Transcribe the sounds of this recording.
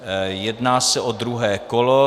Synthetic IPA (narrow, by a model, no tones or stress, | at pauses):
jɛdnaːsɛʔod̪ɾuɦɛːkolo